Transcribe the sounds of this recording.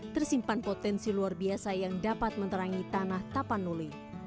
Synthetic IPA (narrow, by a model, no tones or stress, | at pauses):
t̪ərsimpanpot̪ɛnsiluarbiasajaŋdapat̪̚mənt̪əɾaŋit̪anaht̪apanːuli